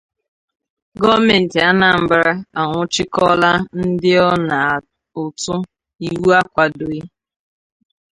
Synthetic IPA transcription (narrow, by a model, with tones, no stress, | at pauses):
ɡɔ˦me˨n̩˨tɪ˨a˦na˨m̩˨bɾa˦a˨ŋʷʊ˦t͡ʃɪ˦kɔ˦la˦n̩˦dɪ˦ɔ˦na˨ | ʊ˨tʊ˦ | i˨wu˦a˦kʷa˨do˨i˦